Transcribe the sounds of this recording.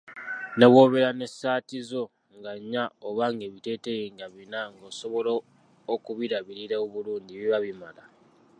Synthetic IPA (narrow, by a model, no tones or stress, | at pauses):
neβwo̞ːβeɾane̞saːtizo̞ | ŋɡaɲːaoβaŋɡe̞βite̞tejiːŋɡaβinaŋɡoːso̞βo̞loː | kuβiɾaβiɾiɾeoβuluːndiβiβaβimala